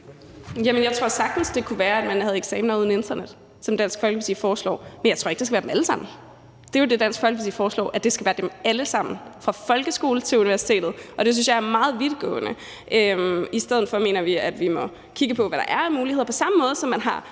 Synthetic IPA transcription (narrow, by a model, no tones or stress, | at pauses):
jæmənjɑ̈ɪt͡sʰʁo̝ɐ̰sɑ̈ɡ̥̚d̥n̩sd̥e̝kʰuʋæːɐæd̥mænhæð̞̩ˠeɡ̥sɛ̰ːmnɐuð̞ˠn̩end̥ɐned̥ | sɒ̽md̥æn̰sɡ̥fɒ̽lɡ̥əʋesḭːfɒːslɒ̰ːmenjɑ̈ɪo̰ɐeɡ̥desɡ̥ʋæɐdemæləsɑ̈m̰n̩ | d̥e̝jod̥e̝d̥æn̰sɡ̥fɒl̰ɡ̥ʋisḭːfɒːslɒ̰ːʔæd̥e̝sɡ̥æʋæːɐd̥emæləsɑ̈m̰n̩fʁɑ̈fɒ̽lɡ̥əsɡ̥o̝̰ːl̩t͡sʰe̝luniʋæɐsi̥t͡sʰe̝̰ːd̥ð̩ˠʔɒ̽d̥e̝s̬ynsjɑ̈ɪɐmɑ̈ːð̞̩ˠʋid̥ˠɡ̥ɔ̰̽ːnə | ʔøisd̥eðˠð̩fɒ̽me̝̰ːnɐʋiæd̥ʋimɒ̽ | kʰiɡ̥əpʰɒ̽ʋæɾɑ̈ʔæɐnmuːliheðˠpʰɒ̽sɑ̈məmɔ̽ːðˠəsɒ̽mːænɦɑ̈